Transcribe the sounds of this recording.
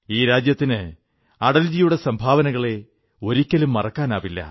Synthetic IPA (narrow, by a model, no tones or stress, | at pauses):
iːɾaːd͡ʑjɐt̪ːinɨ | ɐɽɐld͡ʑijuɽe̞sɐmbʱaːʋɐnɐɣɐɭe̞ | o̞ɾikʲːɐlumːɐrɐkːaːnaːʋilːɐ̰